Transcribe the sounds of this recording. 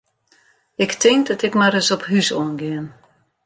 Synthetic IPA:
ɪktʰɪŋk̚dɔtɪkmaɾəsɔpɦysoənɡɪən

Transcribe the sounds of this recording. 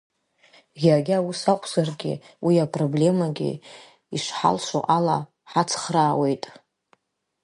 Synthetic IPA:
ɡʲaɡʲausaqʷʰʼzarɡʲɪ̰ | wiapʰʼroble̞maɡʲḭ | iʂħa̰lʂʷo̰ʔala | ħat͡sʰχraːwe̞jtʼ

